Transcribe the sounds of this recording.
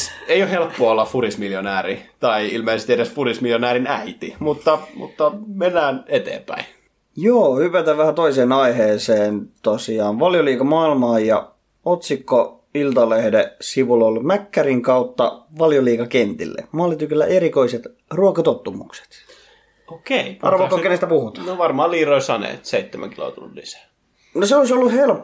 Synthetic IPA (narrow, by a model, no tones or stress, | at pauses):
eijohelpːoɑolːɑffurismiljonæːɾit̪ɑiilmeˑisest̪ieɾesfurismiljonæːɾinæit̪imut̪ːɑmṵt̪ːɑmenːæːnet̪ḛːmpæ̰in | joːhypæt̪æʋʋæhæt̪oiseːnɑiheːseːnt̪osiɑːnʋɑljoliːkɑmɑilmɑːjjɑ̰ | ot̪sikːo | ilt̪ɑlehdesiʋulolmækːæriŋkɑut̪ːɑ̰ʋɑljoliːkɑkent̪ḭlːḛmɑːlːit̪ykølːæʔeɾikoiset̪ | ruɑkɑt̪ot̪ːumukse̥t̪ | okeiɑrʋɑkːokenest̪æpuhut̪ɑ̥noʋɑrmɑːliːroisɑnḛːt̪seit̪ːemæ̰ŋkilo̰ˑt̪ullḭsæ̥ː | noseoisolːuhelpː